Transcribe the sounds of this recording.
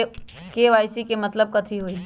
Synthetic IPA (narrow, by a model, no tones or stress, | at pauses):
keːʋaːɪsikemɐt̪ləb̚kɐt̪ʰiɦoːiː